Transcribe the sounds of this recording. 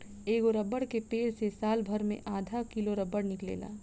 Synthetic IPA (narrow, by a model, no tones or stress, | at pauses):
eːɡoɾəbːəɽkepeːɾsesaːlbʱɐɾmḛ̃ʔaːd̪ʱakɪloɾəbːəɽnɪklḛːla̰ː